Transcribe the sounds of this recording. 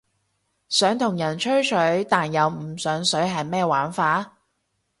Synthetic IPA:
sœː˨˥ŋt̪ʰʊ˨˩ŋjɐ˨˩nt͡ʃʰɵ˥ɥt͡ʃʰɵ˨˥ɥt̪aː˨njɐ˨˧wm̩˨˩sœː˨˥ŋsɵ˨˥ɥɦɐ˨jmɛː˥waː˨˥nfaː˧

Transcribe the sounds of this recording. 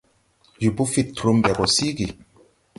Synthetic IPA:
ju˨bu˦fi˦tɾu˦mbɛ˨ɡɔ˨si˦ɡi˨

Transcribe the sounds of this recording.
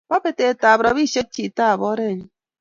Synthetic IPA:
ba˦pe˨te˨ta˨bɾa˨bi˦˨ʃe˦t̚t͡ʃi˨ta˦˨bɔ˦ɾe˦˨ɲi˦

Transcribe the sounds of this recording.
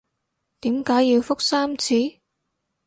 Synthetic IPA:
t̪iː˨˥mkaː˨˥jji˧wfʊ˥k̚saː˥mt͡sʰiː˨˥

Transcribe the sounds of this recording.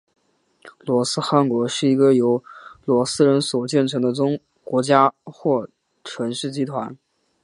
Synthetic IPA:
lwɔ˧˥sɹ̩˥xa˧˥nkwɔ˧˥ʂɻ̩˥˩i˧˥ɡə˧jo˧˥ʊlwɔ˧˥sɹ̩˥ɻə˧˥nswɔ˨˩t͡ɕjɛ˥˩nʈ͡ʂʰɤ˧˥ŋd̪ə˧ʈ͡ʂʊ˥ŋ | kwɔ˧˥t͡ɕja˥xwɔ˥˩ | ʈ͡ʂʰwə˧˥nʂɻ̩˥˩t͡ɕi˧˥t̪ʰwa˧˥n

